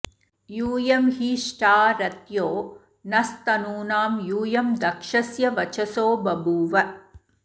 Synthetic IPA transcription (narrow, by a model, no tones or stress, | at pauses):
juːjɐmɦiːʂʈaːɾɐt̪joː | nɐst̪ɐnuːnaːmjuːjɐmd̪ɐkʂɐsjɐʋɐt͡ʃɐsoːbɐbuːʋɐ